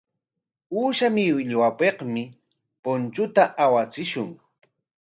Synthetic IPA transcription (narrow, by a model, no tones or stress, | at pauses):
uːʃamɪwɪʎwapeqmɪ | pont͡ʃʊt̪aʔawat͡sɪʃʊŋ